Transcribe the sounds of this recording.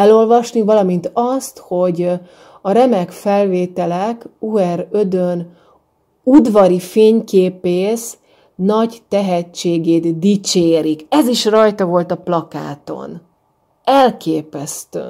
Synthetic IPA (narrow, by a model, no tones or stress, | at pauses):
ɛlo̞lvɒʃnivɒlɒmint̪ɒst̪ho̞ɟ | ɒɾɛmɛkfɛlveːt̪ɛlɛkuɛɾød̪øn | ud̪vɒɾifeːɲkeːpeːʃ | nɒɟt̪ɛɦɛt͡ʃːeːɡeːd̪d̪it͡ʃeːɾikɛziʃrɒjt̪ɒvo̞lt̪ɒplɒka̰ːt̪o̞̰n | ɛlkeːpɛst̪ø̰ː